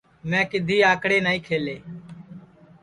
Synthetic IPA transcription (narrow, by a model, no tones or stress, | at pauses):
mɛ̃ːkɪd̪ʱiːaːkɽeːnaːĩːkʰeːleː